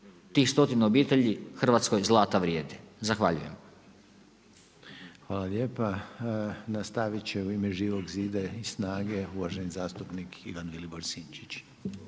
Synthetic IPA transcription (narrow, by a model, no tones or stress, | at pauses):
t̪iːxst̪o̞t̪inaobiːt̪e̞ʎixr̩ʋat̪sko̞jzlˠaːt̪aʋɾje̞ːd̪izaxʋa̰ʎṵje̞̰m | xʋaːlaljeːpa | nast̪aʋit͡ɕeuimeʒiːʋoɡziːd̪aisnaːɡe̞uʋaʒenizaːst̪upnikʰḭʋanʋiliboɾsint͡ʃit͡ɕ